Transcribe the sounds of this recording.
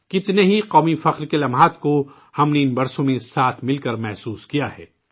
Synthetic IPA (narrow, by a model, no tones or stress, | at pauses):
kɪt̪neɦiqɔːmifɐqɾkelɐmɦaːt̪ko | hɐmneɪnbɐɾsõmẽsaːt̪ʰmɪlkɐɾmɛɦsuːskijaɦɛ̰ː